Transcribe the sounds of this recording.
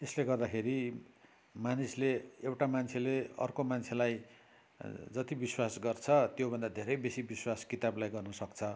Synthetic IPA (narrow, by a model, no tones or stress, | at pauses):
esleɡʌrd̪akʰeɾi | manisleewʈamant͡sʰeleʌ̰rkomant͡sʰelaj | d͡zʌt̪ibiswasɡʌrt͡sʰʌt̪jobʱʌnd̪ad̪ʱeɾʌjbesibiswaskit̪ablajɡʌrnʌsʌkt͡sʰʌ